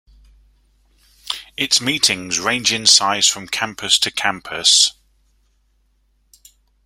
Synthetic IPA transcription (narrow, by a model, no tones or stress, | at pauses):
ɪtsmiˑtʰɪ̃ŋzɹẽɪ̃nd͡ʒɪ̃nsaɪz̥fɹə̃mkʰãmpʰəstʰəkʰãmpʰəs